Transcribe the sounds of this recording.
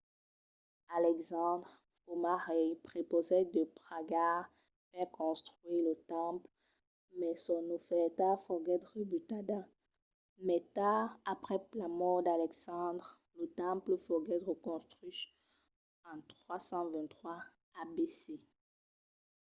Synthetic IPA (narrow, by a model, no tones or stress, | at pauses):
alɛksɑ̃d̪ʁ | omaʁɛjpχepozɛd̪əpʁaɡaʁ | fɛʁkɔ̃st̪χɥiʁlət̪ɑ̃pl | mɛsɔnofɛt̪aʁfɔɡɛt̪ʁəbyt̪ad̪a | mɛt̪aʁapχɛplamɔʁd̪alɛksɑ̃d̪ʁ | lət̪ɑ̃pləfɔɡɛt̪ʁəkɔ̃st̪χys | ɑ̃t̪χwasɑ̃vɛ̃nt̪χwa | abese